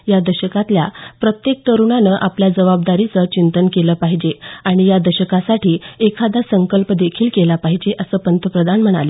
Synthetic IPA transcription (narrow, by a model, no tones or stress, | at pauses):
jad̪əɕəkat̪ljapɾət̪jek̚t̪əɾuɳanəːʔapljad͡zəʋab̚d̪aɾit͡sət͡ɕint̪ənkeləːpaɦid͡ʑeaɽ̃ijad̪əɕəkasaʈʰiːekʰad̪asəŋkəlpd̪ekʰiːlkelapaɦid͡ʑeʔəsəːpənt̪əpɾəd̪ʱanm̤əɽ̃ale